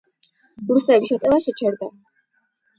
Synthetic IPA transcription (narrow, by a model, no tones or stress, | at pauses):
b̥ɾusɛbiʃat̪ʼɛvaʃɛt͡ʃʰɛɾd̪a